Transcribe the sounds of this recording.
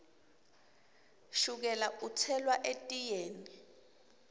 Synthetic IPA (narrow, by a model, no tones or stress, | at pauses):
ʃuk̬ɛlaut͡sʰɛlwaʔetʼijeːni